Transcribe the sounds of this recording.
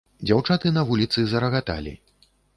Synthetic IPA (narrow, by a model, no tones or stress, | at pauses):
d͡zʲawt͡ʂat̪ɨnɐvulʲit̪sɨzɐɾɐɣat̪a̰lʲḭ